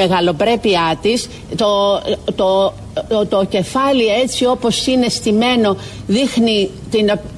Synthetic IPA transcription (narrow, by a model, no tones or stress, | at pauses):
eɣɐlo̞pɾe̞piɐt̪is | t̪ot̪o | t̪oce̞fɐlie̞t͡sio̞po̞sine̞st̪ime̞no̞ | ðixni | t̪in